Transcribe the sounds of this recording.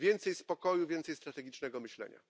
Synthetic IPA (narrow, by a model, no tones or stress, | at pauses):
vʲjɛnt̪sɛjspɔkɔjuvʲjɛnt̪sɛjst̪ɾat̪ɛɡʲit͡ʂnɛɡɔmɘɕlɛ̰ɲa̰